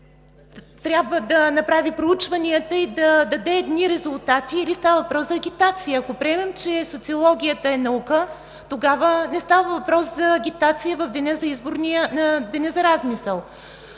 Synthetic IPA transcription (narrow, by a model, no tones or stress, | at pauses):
t̪ɾʲjabvəd̪ɐnɐpɾavipɾout͡ʃvɐniət̪əid̪ɐd̪ɐd̪ɛːd̪niɾɛzʊlˠt̪at̪iːlist̪avəvɐpɾɔszɐɡʲit̪at̪sijəːkopɾʲɛɛmɛmt͡ʃɛsot̪siolˠɔɡʲijət̪əɛnɐukə | t̪oɡavənɛst̪avəvɐpɾɔszɐːɡʲit̪at̪sijəvɐvd̪ɛnɛzɐizboɾniənəd̪ɛnɛzɐɾazmisəlˠ